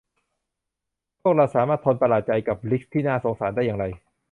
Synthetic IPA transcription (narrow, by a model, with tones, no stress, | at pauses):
lo˥˩k̚ɾa˧wsaː˩˦maː˥˩t̪ʰːo˧npa˧laː˨˩t̪̚t͡ɕa˧jka˨˩p̚li˦˥k̚t̪ʰːiː˥˩naː˥˩so˩˦ŋsaː˩˦ndaː˥˩jaː˧ŋɾa˧j